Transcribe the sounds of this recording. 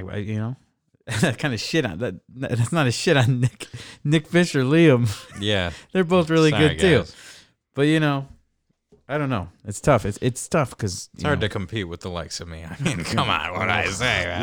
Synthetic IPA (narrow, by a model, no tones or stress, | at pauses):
a̰ɪjɨnoʊ | ðæt̚skʰãɪ̃ndɨʃɪɾn̩ðætnɨðætsnəɾɨʃɪɾn̩ːɪknɪkfɪʃə˞liə̃mjæðə˞boʊθɹɪlˠiɡʊdɡilˠ | b̥ʌt̚jɨñoʊ | aɪɾõʊ̃nːoʊɨtstʰʌfɨtsɪtstʰʌfkʰʌzɨɑɹtɨkʰm̩pʰit̚wɨðəla̰ɪksʌmḭa̰ɪmĩnkʰʌ̃mã̰ʊnwʌ̰ɾa̰ɪseɪ